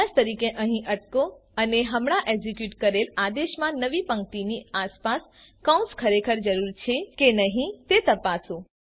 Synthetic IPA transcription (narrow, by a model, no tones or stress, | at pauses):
ast̪əɾikeʔəɦĩʔəʈkoəneɦəmɳ̃aʔeɡzikjuʈkəɾelad̪eʃmãnəʋipə̃ŋkt̪iniaspas | kãw̃skʰəɾekʰəɾd͡ʒəɾuɾt͡ʃʰekenəɦĩt̪et̪əpasõ